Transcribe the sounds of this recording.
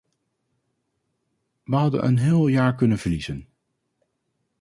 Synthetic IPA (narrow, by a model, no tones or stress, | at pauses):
ʋəɦɑdə̰nʔə̰nɦɪːlˠjaːɹkɵnənvəɹlizən